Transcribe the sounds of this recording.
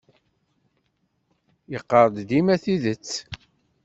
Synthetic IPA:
jəqːəɾˤd̪d̪imæθiðət͡sː

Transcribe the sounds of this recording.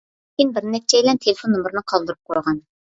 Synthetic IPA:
kʰʲinbɪɾnɛk̚t͡ʃʰɛilɛnt̪ʰelɪfonːomɾɨnɨqʰɑlˠd̪ɨɾup̚qʰojʁɑn

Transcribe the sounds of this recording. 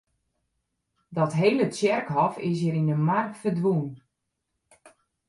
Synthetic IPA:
dɔtɦeːlət͡sjɛrkɦɔfɪs̬jəɾinəmarkfərdʋun

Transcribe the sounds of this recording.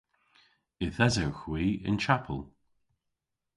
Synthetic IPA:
ɪθɛzəwxwiːɪ̰nt͡ʃʰapʰə̰lˠ

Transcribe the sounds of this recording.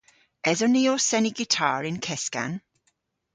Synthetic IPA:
ɛzəniosɛniɡɪtʰaːɹɪ̃nkʰɛska̰n

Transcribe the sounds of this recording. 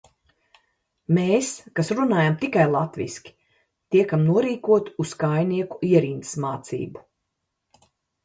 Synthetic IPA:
meːskasɾunaːjamt̪ikajlˠat̪vḭskʲi̥ | t̪iɛkamnuɔɾiːkuɔt̪uskajniɛku̥iɛɾint̪smaːt̪sḭːbu

